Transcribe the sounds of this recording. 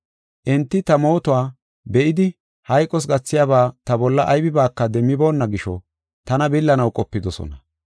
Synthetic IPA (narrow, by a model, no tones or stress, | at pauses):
ʔɛnt̪ːɪt̪ɐmo̞ːt̪ʊwaː | bɛʔɪd̪ɪ | hɐjkʼːɔs̬ɡɐt͡sːɪjabaːt̪ɐbɔlːɐʔɐjbɪbaːkːɐd̪ɛmːɪbo̞ːnːɐɡɪʃɔ | t̪ɐnɐbɪlːɐnɐwkʼɔpːɪd̪ɔsɔ̰nɐ